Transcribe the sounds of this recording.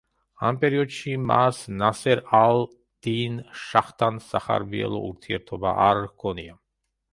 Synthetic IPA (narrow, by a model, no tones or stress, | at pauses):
ampʼɛɾiɔd̪ʃimasnasɛɾalˠ | d̪̥inʃaχt̪ʰansaχa̰ɾbiɛ̰lˠɔ̰ʔuɾt̪ʰiɛɾt̪ʰɔba̰ʔaɾkʰɔnia